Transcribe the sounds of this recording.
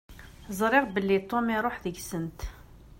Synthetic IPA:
zˤɾˤɪʁbəlːit̪ˤːomiɾˤoħðəɡsənt̪

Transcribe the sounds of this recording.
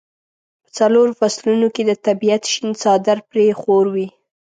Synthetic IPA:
pə̥t͡saloɾofaslunoked̪ət̪abijat̪ʃinsɑd̪aɾpɾexoɾwi

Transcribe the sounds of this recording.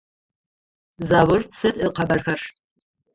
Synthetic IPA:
zaːwɨrsɨtʼɨqʰɐbɐrxɐr

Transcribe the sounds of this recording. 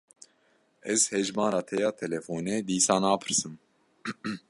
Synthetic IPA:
ɛzhɛʒmɑːɾɑːt̪ʰɛjɑːt̪ʰɛlɛfoːnɛd̪iːsɑːnɑːpʰɨ̥ɾsɨm

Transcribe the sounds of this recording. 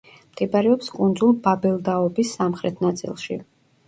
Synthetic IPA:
mt̪ʰʼɛbaɾɛɔpskʼund̪zulˠbabɛlˠd̪aɔbisːamχɾɛt̪ʰnat̪sʼḭlˠʃḭ

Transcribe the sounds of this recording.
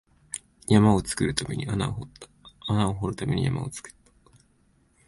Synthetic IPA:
jamao̞t͡sɨ̥kɯ̟ɾɯ̟t̪ame̞̰ɲ̟iʔanaohot̪ːḁanaoɦoɾɯ̟t̪ame̞̰ɲ̟ḭja̰ma̰o̞̰t͡sɨ̥kɯ̥t̪ːḁ

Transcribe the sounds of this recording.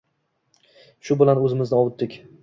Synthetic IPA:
ʃʊbɪlanɵzɪmɪznɪɒwʊt̪̚d̪ɪkʲ

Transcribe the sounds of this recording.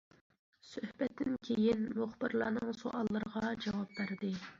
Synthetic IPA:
søhbɛt̪ːɪnkʲʰejinmuχbɨɾlˠɑːnɨŋsoʔɑlˠːɨɾəʁɑd͡ʒɑwɑp̚bæɾd̪ɪ

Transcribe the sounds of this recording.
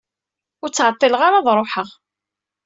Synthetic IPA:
ʊɾt͡sːʕət̪ˤːiləʁaɾaðˤɾˤoħəʁ

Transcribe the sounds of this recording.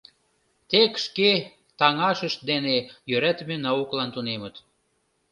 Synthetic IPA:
t̪ekʃke | t̪ɑŋɑʃəʃt̪̚d̪enejøɾæt̪menɑuklɑnt̪unemə̆t̪

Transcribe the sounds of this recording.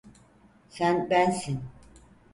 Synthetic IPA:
sænbænsin

